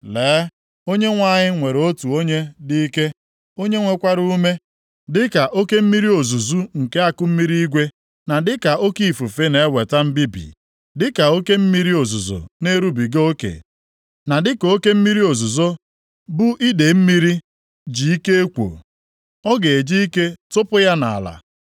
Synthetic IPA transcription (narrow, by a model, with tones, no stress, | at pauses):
leː˨˦ | o˦ɲe˦ŋʷa˦˨ɲɪ˦ŋʷe˨ɾo˦tu˨o˦ɲe˦di˦i˦ke˦ | o˦ɲe˦ŋʷe˦kʷa˦ɾu˦me˦ | dɪ˦ka˨ʔo˦ke˦m̩˦mi˦ɾi˦o˨zu˨zu˦ŋ̩˨ke˦a˦kʊ˦m̩˦mi˦ɾi˦i˦ɡʷe˦ | na˨dɪ˦ka˨o˦ki˦˨fu˨fe˦ne˦˨˦we˨ta˦m̩˦bi˦bḭ˨ | dɪ˦ka˨o˦ke˦m̩˦mi˦ɾi˦o˨zu˨zo̰˨ne˦ɾu˦bi˨ɡo˦kḛ˨ | na˨dɪ˦ko˦ke˦m̩˦mi˦ɾi˦o˨zu˨zo˦ | bʊ˦ʔi˦de˨m̩˦mi˦ɾi˦ | d͡ʒi˨i˦ke˦e˦kʷo̰˨ | ɔ˦ɡe˨e˨d͡ʒi˦i˦ke˦tʊ˦pʊ˦ja˦na˨a̰˨la̰˨